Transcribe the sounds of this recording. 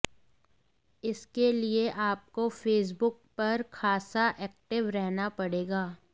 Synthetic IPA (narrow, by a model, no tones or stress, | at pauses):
ɪskelieʔaːp̚kofeːs̬bʊk̚pɐɾkʰaːsaʔɛːk̚ʈɪʋɾɛɦnapɐɽeːɡaː